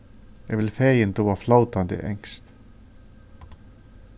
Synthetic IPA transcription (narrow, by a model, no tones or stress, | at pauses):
jɛvɪlfɛːjɪnt̪oːaflaːwt̪ant̪ɪ̰ʔɛ̰ŋst̪